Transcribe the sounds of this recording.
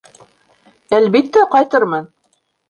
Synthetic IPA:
ælbit̪ːæqɑjt̪ɤɾmɤn

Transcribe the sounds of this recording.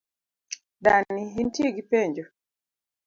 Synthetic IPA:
daniɦintjeɡipeɲd͡ʒo

